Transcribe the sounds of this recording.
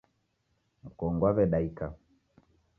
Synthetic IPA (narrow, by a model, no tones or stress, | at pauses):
m̩kɔŋɡwaβɛɗaika